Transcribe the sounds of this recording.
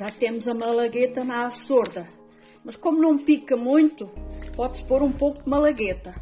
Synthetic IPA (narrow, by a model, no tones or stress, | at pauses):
ʒat̪emuzɐmɐlˠɐɣet̪ɐnasoɾðɐ | mɐʃkomunɐ̃w̃pikɐmũj̪̃t̪upɔðʃpoɾũpowkud̪mɐlˠɐɣet̪ɐ